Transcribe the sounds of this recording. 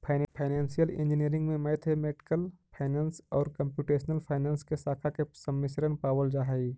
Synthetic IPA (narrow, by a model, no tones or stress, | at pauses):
pʰaɪpʰaɪnẽːnsijəlɪ̰̃nd͡ʒɪniəɾɪ̃ŋɡmẽmɛːt̪ʰɦemeːʈɪ̥kəlpʰaːɪnãːnsɔːɾkə̃mpjuːʈeːʃnəlpʰaːɪnãːnskesaːkʰakesɐmːɪsɾənpaːwəld͡ʒaːɦɐi